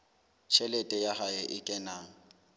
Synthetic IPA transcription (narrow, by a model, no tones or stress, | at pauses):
t͡ʃʰɛlɛtʼɛjahaɪʔɪkʼɛnaːŋ̩